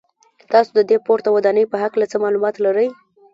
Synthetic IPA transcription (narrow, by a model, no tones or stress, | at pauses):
t̪ɑsod̪əd̪epoɾt̪awad̪ɑnəjpəɦaklat͡səmɑlumɑt̪laɾəj